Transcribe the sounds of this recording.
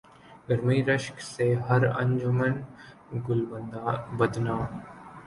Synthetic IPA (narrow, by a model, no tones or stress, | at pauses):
ɡəɾmiːɾəʃkseɦɐɾɐ̰̃ɲd͡ʒʊmən | ɡʊlbənd̪abəd̪naː